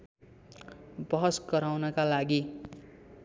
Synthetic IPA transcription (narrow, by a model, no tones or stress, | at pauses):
bʌɦʌsɡʌɾawnʌkalaɡi